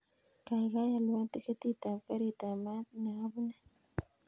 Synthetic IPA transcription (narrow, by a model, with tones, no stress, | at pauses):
ka˨i˨ɣa˦ja˨lwa˦t̪i˦ke˦t̪i˦t̪a˨ka˦ɾi˨t̪a˨ma˦na˨a˦βu˦na˦